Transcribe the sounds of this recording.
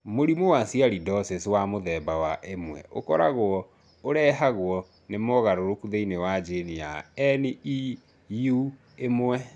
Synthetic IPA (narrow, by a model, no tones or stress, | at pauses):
moɾimowasiaɾidɔseswamoðɛːbawaʔemwɛ̰ʔo̰kɔɾa̰ɣwɔ | oɾɛːɦaɣwɔ | nemɔɣaɾoɾokuðeinewad͡ʒenija̰ɛnii | ju | emwɛ